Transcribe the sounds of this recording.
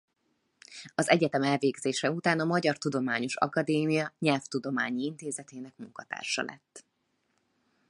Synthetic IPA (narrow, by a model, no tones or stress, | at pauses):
ɒzɛɟɛt̪ɛmɛlveːɡzeːʃɛut̪aːnɒmɒɟɒrt̪ud̪o̞maːɲo̞ʃɒ̰kɒd̪eːmijɒɲɛlft̪ud̪o̞maːɲiint̪eːzɛt̪eːnɛkmuŋkɒt̪a̰ːrʃɒ̰lɛ̰t̪ː